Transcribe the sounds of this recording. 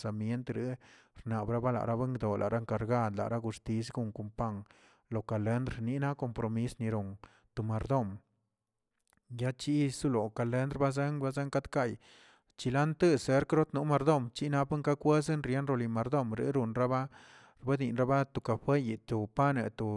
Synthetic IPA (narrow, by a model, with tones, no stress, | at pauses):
sa˨mje˦nt̪ɾi˦ | ɾna˨bɾa˦ba˦la̰˨ʔɾa˦be˦ŋɡd̪o˨lʔa̰˨ʔɾʔa˦ŋka˨ɾɡa˦˧d̪la̰˨ɾa˦ɡu˧st̪i˧˦s̬ɡu˧˨ŋku˧˨mpa˦ŋ | lo˨ka˨le˧˦nd̪ɾni˦na˦ko˧mpɾo˧mi˦sni˧ɾu˨n | t̪u˨ma˨ɾd̪o˦˨m | ja˦t͡ʃi˦su˦lo˨ka˨le˦nd̪ɾba˦ze˦ŋba˦ze˦ŋka˦d̪ka˦˧˨j | t͡ʃi˧la˦nt̪ɨ˦se˦ɾkɾo˦t̪nu˦ma˧ɾd̪o˦˨mt͡ʃi˦na˦pa˦ŋka˦kʷe˦se˦nɾje˦nɾo˧li˧ma˧ɾd̪o˦˧˨mɾḭ˦ɾu˧˨nɾa˦ba˦ | ɾba˦d̪i˨nɾa˦ba˦t̪u˨ka˨ɸwe˦ji˨t̪u˨pa˦nḛ˧t̪u˨